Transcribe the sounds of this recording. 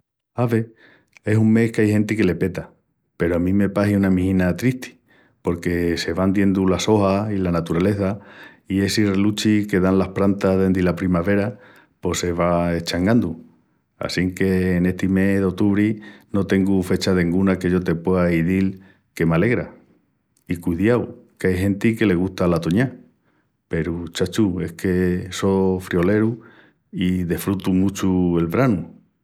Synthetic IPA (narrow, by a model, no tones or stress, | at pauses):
aβe̞ | e̞suŋme̞hkeajhẽ̞nt̪ike̞le̞pe̞t̪a | pe̞ɾo̞amĩme̞paɦiunamĩhĩnat̪ɾiht̪ʰi̥ | po̞ɾke̞se̞βand̪je̞nd̪ulaso̞hailanat̪uɾale̞θa | ie̞sirelut͡ʃike̞ðanlahpɾant̪aðe̞nd̪ilapɾimaβe̞ɾa | po̞se̞βae̞t͡ʃaŋɡand̪u | a̰siŋke̞ːne̞ht̪ime̞ðeo̞t̪uβɾino̞t̪e̞ŋɡufe̞t͡ʃaðe̞ŋɡunake̞ʝo̞t̪e̞pweaiðil | ke̞male̞ɣɾa̰ | ikuiðjawkeajɦẽ̞nt̪ike̞le̞ɣ̞ust̪alat̪oɲa | pe̞ɾut͡ʃat͡ʃue̞hkʰe̞so̞fɾio̞le̞ɾu | iðefɾut̪umut͡ʃue̞lβɾanu